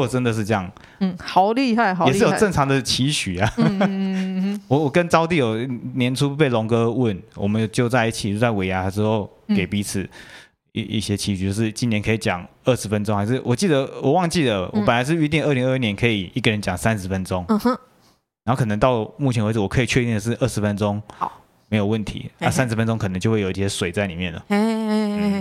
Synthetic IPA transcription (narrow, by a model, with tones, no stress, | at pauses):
wɔ˨˩ə˦nd̪ə˨ʂ̬̩˥˧ɤ˥˧jɑ˥˩ŋ˩ | xɑ˨˦ʊli˥˧a˥˩ɪ˨˧jʂɻ̩˥˨jo˨˩ʈ͡ʂə˥˩ŋʈ͡ʂʰɑ˧˦ŋd̪ə˨t͡ɕʰi˧˥ɕy˨˩a˨ | wɔ˨˩wɔ˨˩kə˦nʈ͡ʂɑ˥ʊt̪̬i˥˩jo˨˩ʊnjɛ˧˦nʈ͡ʂʰu˥˩pe˥˩ɪlɔ˧˥ŋkɤ˥wə˥˩nwɔ˨˩mə˨˦njo˨˩t͡ɕjo˥˧ʊt͡sa˥˧ɪi˥˩t͡ɕʰi˨˩o˥˧t͡sa˥˩ɪwe˧˥ɪja˧˥˧ə˧ʂɻ̩˧˥xo˥˩ʊ | ke˨˩ɪpi˧˥t͡sʰɹ̩˨˩˦ | i˧ḭ˥˩ɕjɛ˥t͡ɕʰi˧˥ɕt͡ɕjo˥˧ʂɻ̩˥˩t͡ɕi˥njɛ˧˥nkʰə˧i˨˩t͡ɕjɑ̰˨˩˦ŋ | ə˥˩ʂɻ̩˧˥fə˧˦nʈ͡ʂo˥˦ŋxa˧˥ɪʂ̬ɻ̩˥˩wʔɔ˨˩t͡ɕi˥˩d̪ə˨˦wɔ˨˩wɑ˥˧ŋt͡ɕi˥˩d̪ə˩wʔɔ˨˦ə˨nla˧˦ɪʂ̬ɻ̩˥˩y˥t̪̬i˥˧ŋə˥˩li˧ŋə˥˧˥njɛ˧˦nkʰɤ˧˥i˨˩i˥˩ɡə˩ɻə˦nt͡ɕjɑ˨˩ŋsa˦nʂ̩˧˥fə˦nʈ͡ʂʊ˦ŋ˧˥ | ɻɑ˧˥xo˥˩kʰɤ˨˩ə˧˦ŋt̪ɑ˥˩ʊmu˥˩t͡ɕʰɛ˧˥nwt͡s̩˨˩wɔ˨˩kʰɤ˧˥i˨˩t͡ɕʰɥt̪i˥˩nd̪ə˩ʂ̬̩˥˧ʔə˥˩ʂɻ̩˧˥fə˦nʈ͡ʂʊ˦ŋ | me˧˥ɪjo˨˩wə˥˩nt̪ʰḭ˧˥˦a˥˩sa˦nʂ̬̩˧fə˦nʈ͡ʂʊ˥˦ŋkʰə˨˩nə˧˦ŋt͡ɕo˥˧wjo˨i˧ɕjɛ˥swe˨˩ɪt͡sa˥˩ɪli˨˩mjɛ˥˩nlə̰˩